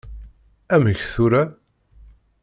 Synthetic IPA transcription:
æməçθuɾæ

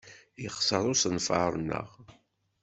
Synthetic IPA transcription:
iχsəðˤʊsənfəɾˤənːə̰ʁ

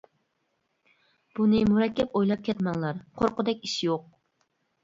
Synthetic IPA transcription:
b̥unɪmuɾɛkʲːɛpojlˠɑp̚kʲʰɛt̪mɑŋlˠɑɾqʰoɾqʊd̪ɛkʲiʃjoq̚

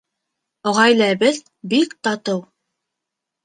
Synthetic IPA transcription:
ŏʁɑjlæbɘð | bikt̪ɑt̪ɤw

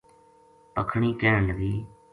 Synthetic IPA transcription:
pəkʰɳiːkeːləɡiː

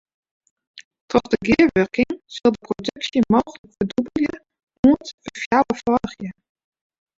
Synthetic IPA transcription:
tʰɔχdəɡɪəɹʋɵrkɪŋz̥ɪlˠdəprodɵksjəmowχələkfədubəljə | uəntfəfjawəfɔɹχjə

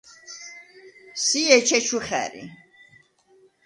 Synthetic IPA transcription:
siɛt͡ʃʰɛt͡ʃʰuχɛ̰ɾḭ

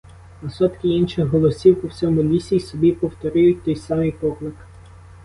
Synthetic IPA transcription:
ɐsɔt̪kɪinʃɪxɦɔlˠɔsʲiwpɔwt͡sʲɔmʊlʲisʲijsɔbʲipɔwt̪ɔɾɪjʊt̚ʲt̪ɔjsɑmɪjpɔklˠɪk

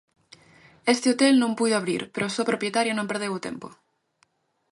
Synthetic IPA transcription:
est̪eot̪e̞lnõmpuðoaβ̞ɾḭɾpeɾosopɾopjet̪aɾjanõmpeɾð̞ewut̪e̞̰mpo̰

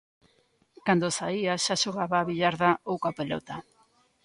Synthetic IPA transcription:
kand̪osaiaʃaʃoɣaβaːβiʎaɾðaowkapelɔ̰t̪a

